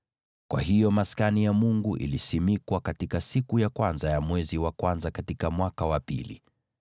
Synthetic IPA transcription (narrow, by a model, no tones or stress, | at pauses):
kwa̰hijɔmaskanijamuŋɡuʔḭlisimikwakatikasikujakwanzajamwɛziwakwanzakatikamwakawapḭlḭ